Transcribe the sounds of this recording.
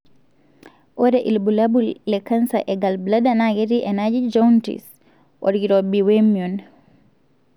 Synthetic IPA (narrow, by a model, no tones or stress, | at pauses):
ʔɔɾɛʔilbulabulːɛkansaʔɛɡalbladanaɡeɾiʔɛnad͡ʒid͡ʒawntḭs | ʔɔ̰ɾɡiɾɔbiwemiun